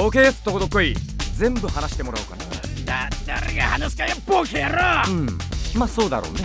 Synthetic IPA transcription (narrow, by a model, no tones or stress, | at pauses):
oːkeːsɨ̥t̪ːokod̪okːoid͡zẽ̞mbɯ̟hanaɕi̥t̪e̞mo̞ɾaɯ̟ka̰nad̪ad̪aɾeɡahanasi̥kajapːokʰeɾaɯ̟̃ɴmaso̞ːd̪a̰ɾo̰ːne